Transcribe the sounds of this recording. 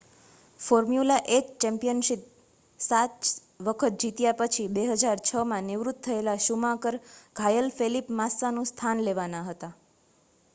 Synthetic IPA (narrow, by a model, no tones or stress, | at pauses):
foɾmjulaʔekt͡ʃɛmpijənʃip̚ | sat̪ | ʋəkʰət̪̚d͡ʒit̪japət͡ʃʰibeɦəd͡ʒaɾt͡ʃʰəmãnɪʋɾut̪ʰːəelaʃumãkəɾɡʱajəlfelipmasanũst̪ʰanleʋanaɦət̪a